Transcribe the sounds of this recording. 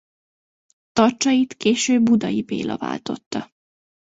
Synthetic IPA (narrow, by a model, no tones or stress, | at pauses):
t̪ɒrt͡ʃɒjit̪keːʃøːbːud̪ɒjipḛːlɒva̰ːlt̪o̞t̪ːɒ